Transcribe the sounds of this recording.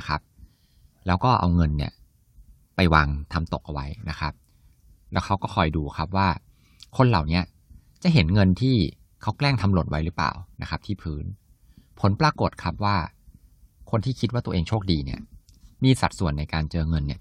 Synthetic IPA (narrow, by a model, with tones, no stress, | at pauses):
kʰa˦˥p̚ | lɛː˦˥wkɔː˥˩ʔa̰˧wŋɤ˧nːḭ˥˩ɐ | pa˧jwaː˧ŋt̪ʰa˧mt̪o˨˩k̚ʔa˧wa˦˥jna˦˥kʰa˦˥p̚ | lɛː˦˥wkʰa˦˥wkɔː˥˩kʰɔ˨˩jduː˧kʰa˦˥p̚waː˥˩ | kʰo˧nla̰˨˩wni˦˥ɐ | t͡ɕa˨˩ɦe˩˦nŋɤ˧nt̪ʰiː˥˩ | kʰa˦˥wklɛː˥˩ŋt̪ʰa˧mlo˨˩t̪̚wa˦˥jɾɯː˦˥pla̰ː˨˩wna˦˥kʰa˦˥t̪ʰiː˥˩pʰɯː˦˥n | pʰo˩˦npɾaː˧ko˨˩t̪̚kʰa˦˥p̚waː˥˩ | kʰo˧nt̪ʰiː˥˩kʰi˦˥waː˥˩t̪u˧ʔeː˧ŋt͡ɕʰoː˥˩k̚diː˧ni˥˩ɐ | miː˧sa̰˨˩t̪̚su˨˩ənːa˧jkaː˧nt͡ɕɤː˧ŋɤ˧nːi˦˥˩ɐ